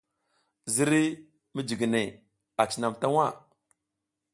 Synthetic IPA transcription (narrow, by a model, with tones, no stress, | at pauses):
zi˦ɾi˦ | mi˦d͡ʒi˨ɡi˨ne˨ | a˨t͡ʃi˦na˨mta˦wa˦˨